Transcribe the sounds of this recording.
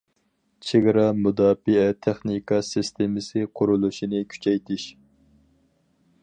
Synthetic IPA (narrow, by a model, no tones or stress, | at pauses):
t͡ʃʰeɡɾɑmud̪ɑːfɨɛt̪ʰɛχnikʰɑsɪst̪ʰemɪsɪqʰʊɾulˠuʃinɪkʲʰy̥t͡ʃʰɛjt̪ʰɪʃ